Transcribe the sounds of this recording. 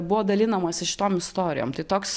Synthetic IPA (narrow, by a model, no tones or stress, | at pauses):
bʊʋoːd̪ɐlʲɪnɐmɐsɪʃʲɪ̥t̪oːmɪst̪oːɾʲɪ̰jo̰ːmt̪ɐɪt̪oːks